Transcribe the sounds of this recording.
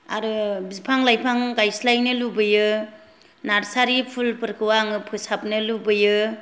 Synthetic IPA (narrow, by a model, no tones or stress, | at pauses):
aɾɯbizipʰaŋlajpʰaŋɡajslajnɯlubɯjɯ | naɾsaɾipʰulpɯɾkʰɯwaŋɯpʰɯsap̚nɯlubɯjɯ